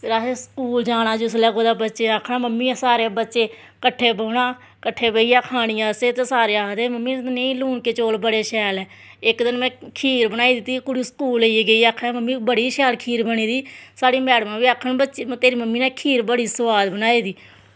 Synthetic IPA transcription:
pʰɪɾaːseskuːld͡ʒaːɽ̃aːd͡ʒʊs̬lɛːkoːd̪aːbətːʃeːakʰnãːməmːiːsaːɾeːbətːʃeː | kəʈʰːeːboːnaː | kəʈʰːeːbəiːjãːkʰaːɽɪjãːseːt̪eːsaːɾeaːd̪eːməmːiːneĩːluːnkeːt͡ʃoːlbəɽeːʃɛːlɛː | ɪkd̪ɪnmɛ̃ːkʰiːɾbənaːiːd̪ɪt̪ːiːkʊɽiːsə̥kuːliːɡəiːaːkʰãːməmːiːbəɽiːʃɛːlkʰiːɾbəɽ̃iːd̪iːsaːɽiːmɛːɽmãːʋiːakʰːəɳbətːt͡ʃːt̪eːɾiːməmːiːnɛ̃ːkʰiːɾbəɽiːsəʋaːd̪bənaːiːd̪iː

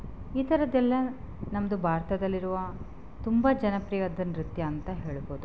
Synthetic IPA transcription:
iːt̪ʰɐɾɐd̪ɛlːɐ | nɐmɐd̪ubʱaːɾt̪ɐd̪ɐlːiɾuʋɐ | t̪umbɐd͡ʒɐnɐpɾijɐd̪ɐnɾit̪jɐːnt̪ɐɦeːɭboːd̪u

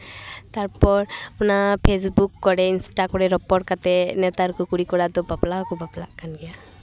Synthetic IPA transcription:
t̪aɹpɔɹpunapʰesbukːɔɹɛinsʈakɔɹɛɾɔpɔɾkat̪ɛnɛt̪aɾkɔkuɾikɔɹat̪ɔbaplakubapla̰kːanɡija

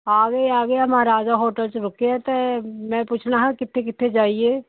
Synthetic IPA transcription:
aːɡeiaːɡeɐmaɾaːd͡ʒaɦoːʈəlt͡ʃɾʊkeɛt̪emɛ̃puːt͡ʃʰnaɦɛ̃kɪt̪ʰːekɪt̪ʰːed͡ʒaːieː

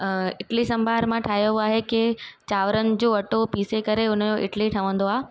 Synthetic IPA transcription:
ɪʈlisɐ̃mbʱaːɾmãʈʰaːɦjəaːɦekɪt͡ɕaːʋɾənɪ̆d͡ʑoːɐʈopiːsekɐɾeʊnəd͡ʑõʔɪʈliʈʰɐʋə̃nd̪oaː

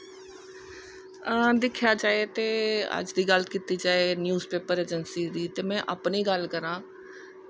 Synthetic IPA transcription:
d̪ɪkʰjaːd͡ʒaːet̪eːə̰d͡ʒd̪iːɡələt̪kiːt̪iːd͡ʒaːeːnjuːzpeːpəɾeːd͡ʒənsiːd̪iːt̪eːmɛ̃ːʔəpniːɡəlkəɾãː

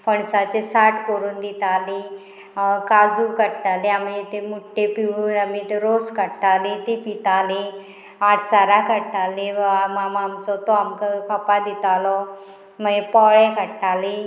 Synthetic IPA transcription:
fəɳsat͡ɕesaʈʰkoɾuːnd̪it̪ale | kad͡zukəɽʈ̪aleamit̪emuʈːepiʋuamiʈɾoskəɽʈalet̪ipit̪ale | aʈʰsaɾakəɽʈaleamamamt͡sɔt̪ɔamkəkʰəpad̪it̪alɔ | məepɔɭekəɽʈale

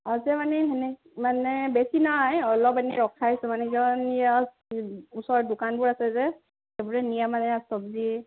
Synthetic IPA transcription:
azɛmanɛɛnɛ | manɛbesinajɔlɔpɛniɹɔkʰaisɛmanɛkɔnija | usɔɹdʊkanbʊɹasɛzɛ | ebuɹɛnijamanɛastɔbzi

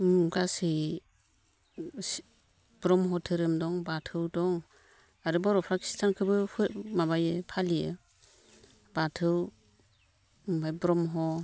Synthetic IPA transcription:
mɡasi | b̥ɾɔmɦɔtʰɯɾɯmdɔŋbatʰɯwdɔŋ | aɾɯbɔɾɔpʰɾakʰi̥stʰankʰɯbɯpʰɯtmaβajɯpʰalijɯ | batʰɯw | pajbɾɔmɦɔ

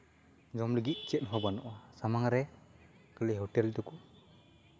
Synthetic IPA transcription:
d͡ʒɔmləɡit̪̚ˀt͡ʃɛt̪̚nɦɔbanɔʔasamaŋɾɛ | kəliɦɔʈɛlt̪uku

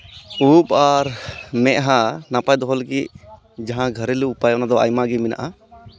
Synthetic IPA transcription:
upaɾmɛʔɦanapajd̪ɔɦɔlɡiʔ | d͡ʒaɦãɡʱəɾɛluupajɔnad̪ɔa̰jmaɡɛmina̰ʔa

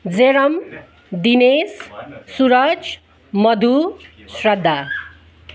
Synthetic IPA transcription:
d͡zeɾʌm | d̪inessuɾʌt͡s | mʌd̪ʱu | srʌd̪ʱːa

